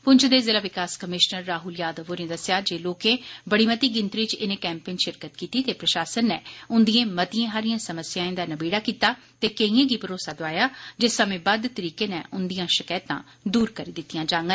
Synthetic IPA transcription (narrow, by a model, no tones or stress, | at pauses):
pʊɲt͡ʃʰd̪eːzɪlaːʋɪkaːskəmɪʃnəɾːaːɦʊljaːd̪əʋoːnẽːd̪əsjaːd͡ʒeːloːkẽːbəɽiːmət̪iːɡɪ̃nt̪ɾiːt͡ʃɪnẽːkɛːmpẽːnʃɪɾkət̪kiːt̪iːt̪eːpɾəʃaːsənːɛːʊnd̪iẽːmət̪iẽːɦaːɾɪjãːsəməsjãːẽːd̪aːnəbeːɽaːkiːt̪aː | t̪eːkeĩːẽːɡiːpəɾoːsaːd̪oaːjaːd͡ʒesəmẽːbəd̪t̪əɾiːkeːnɛːʔʊnd̪ijãːʃɪkəːt̪ã̰ː | d̪uːɾkəɾiːd̪ɪt̪ːijãːd͡ʒãːŋɡən